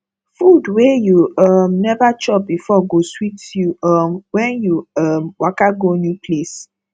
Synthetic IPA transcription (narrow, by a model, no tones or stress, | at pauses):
fudwejuɔmnɛvat͡ʃɔp̚bifɔɡoswitjuɔmwɛ̃njuɔmwakaɡonjupʰles